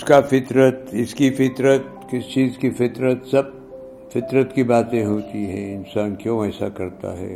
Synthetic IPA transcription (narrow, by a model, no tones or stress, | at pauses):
skafɪt̪ɾət̪ɪskifɪt̪ɾət̪̚ | kɪst͡ʃiːzkifɪt̪ɾət̪sɐb̚ | fɪt̪ɾət̪kibaːt̪ẽɦoːt̪iɦɛ̃ɪnsaːnkjõːɛːsa̰kɐɾt̪a̰ɦɛ̰ː